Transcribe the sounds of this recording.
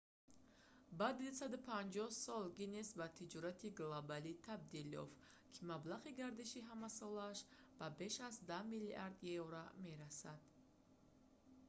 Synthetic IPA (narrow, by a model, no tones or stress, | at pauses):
bad̪isad̪upʰand͡ʒɔhsɔlɡinesbat̪ʰid͡ʒɔɾat̪ʰiɡlobalit̪ʰab̚d̪iljɔ̰f | kʰimablaʁiɡaɾd̪iʃiɦamasɔlaːʃ | b̥abe̞ʃazd̪amiliʔaɾd̪jevɾame̞ɾasad̪̥